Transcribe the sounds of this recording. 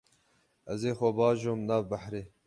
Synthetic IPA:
ɐzeːxɔbɑːʒoːmnaːbbɐħɾeː

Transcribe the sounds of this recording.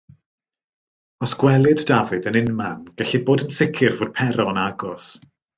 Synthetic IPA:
ɔsɡ̥wɛlˠɨddavɨdənɪnmanɡ̥ɛɬid̚boːdənsɪkʰɪrvoːd̥̚pʰɛɾɔənaɡɔs

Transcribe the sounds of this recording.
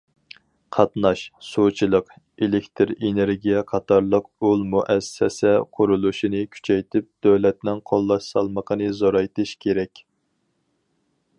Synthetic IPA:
qʰɑt̪nɑʃsut͡ʃʰilˠəq | elɪkʲt̪ʰɪɾeneɾɡʲijɛqʰɑt̪ʰɑɾlˠəq̚ulˠmuʔɛsːɛsɛqʰʊɾulˠuʃinɨkʲʰy̥t͡ʃʰɛjt̪ʰɪp̚d̪̥øwlɛt̪nɪŋqʰolˠːɑʃsɑlˠməqʰənɨzoɾɑjt̪ɨʃkʲʰeɾɛkʲ

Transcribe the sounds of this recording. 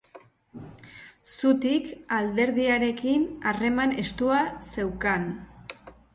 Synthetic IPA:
sut̪ikald̪e̞ɾðiaɾe̞kinare̞mane̞st̪uase̞wkan

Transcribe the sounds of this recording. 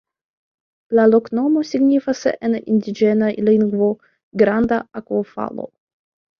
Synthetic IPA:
lalo̞kno̞mo̞siɡnifasʔenindid͡ʒe̞naliŋɡvo̞ | ɡɾand̪aakofa̰lo̰

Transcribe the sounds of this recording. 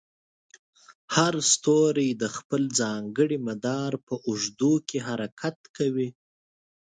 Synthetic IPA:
haɾst̪oɾed̪əxpəld͡zɑŋɡəɽimad̪ɑɾpəʔʊʒd̪ukʰeɦaɾakʰat̪kawi

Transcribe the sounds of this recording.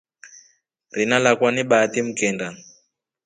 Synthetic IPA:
rinalakwaniɓatim̩kɛnda

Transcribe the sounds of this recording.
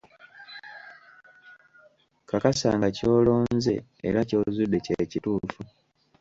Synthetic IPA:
kakasa̰ːŋɡaco̞ːlo̞ːnze̞̰eɾaco̞ːzudːe̞cecituːfu

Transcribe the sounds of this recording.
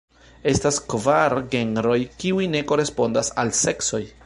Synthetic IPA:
e̞staskvaɾɡe̞nɾo̞jkiujne̞ko̞ɾe̞spo̞ndasalse̞kso̞j

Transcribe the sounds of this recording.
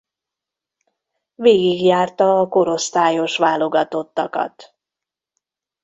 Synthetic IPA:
veːɡiɡjaːrt̪ɒːko̞ɾo̞st̪aːjo̞ʃʋaːlo̞ɡɒt̪o̞t̪ːɒkɒ̰t̪

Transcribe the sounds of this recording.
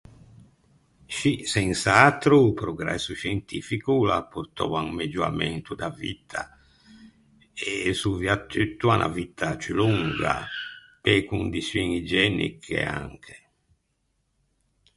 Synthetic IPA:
ʃisɛnsat̪ɾupɾoɡɾɛ̰sːuʃɛnt̪ifikulapːuɾt̪ɔːvaŋmed͡ʒuɾa̰mɛnt̪ud̪avit̪ʰa | esuviat̪ʰːyt̪ːuanʔa̰vit̪ʰat͡ʃyluŋɡa̰ | pekund̪isjuŋid͡ʒɛnḭkʰḛa̰ŋkʰe

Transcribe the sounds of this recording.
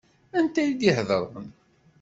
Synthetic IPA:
ænt̪æjid̪jihðəɾˤə̰n

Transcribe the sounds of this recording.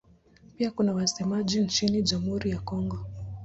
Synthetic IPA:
piakunawasɛmaʄint͡ʃiniʄam̩huɾijakɔŋɡɔ

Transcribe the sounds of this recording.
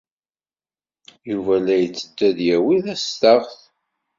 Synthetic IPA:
juvælæjət͡sːəd̪ːæðjæwiðæst̪əʁθ

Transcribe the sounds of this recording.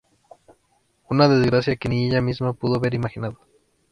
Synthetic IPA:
unaðe̞zɣɾasjakenieʝamizmapuðoβe̞ɾimaxinaðo

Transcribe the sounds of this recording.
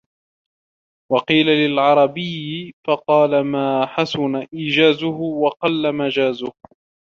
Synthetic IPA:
wɑqiːlalɪlʕɑɾˤɑbɪjːɪfɑqɑːlamaːħasʊnaʔiːd͡ʒaːzʊɦʊwɑqɑlːamad͡ʒaːzʊh

